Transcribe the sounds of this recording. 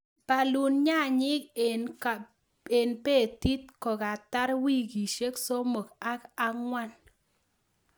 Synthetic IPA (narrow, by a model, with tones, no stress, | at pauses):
pa˨lu˨nɲa˦˨ɲɪ˦ken | e˨npe˦˨t̪i˦t̪̚kɔ˨ka˨t̪a˦ɾwi˦˨ɡi˨ʃe˦kso˦mo˨ka˦ka˨ŋwa˦n